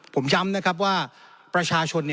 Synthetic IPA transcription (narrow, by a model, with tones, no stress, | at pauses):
pʰo˩˦mt͡ɕa˧mna˦˥kʰa˦˥p̬̚waː˥˩ | pɾa˧t͡ɕʰaː˧t͡ɕʰo˧nːi˩